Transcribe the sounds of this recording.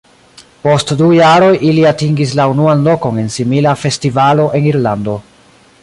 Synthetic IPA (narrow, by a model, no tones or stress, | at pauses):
po̞stdujaɾo̞jʔiliatiŋɡis̬launuanlo̞ko̞ne̞nsimilafe̞stivalo̞ʔe̞niɾlando̞